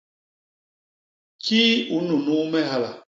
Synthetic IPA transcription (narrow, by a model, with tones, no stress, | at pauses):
ki˦u˨˦nu˨nu˦mɛ˦ɦa˦la̰˨